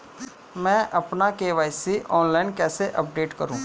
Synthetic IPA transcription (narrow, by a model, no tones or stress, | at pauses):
mɛ̃ːʔɐpnakeːʋaːjsiʔɔːnlaːɪnkɛːseʔɐp̚ɖeːʈkəɾṵ̃ː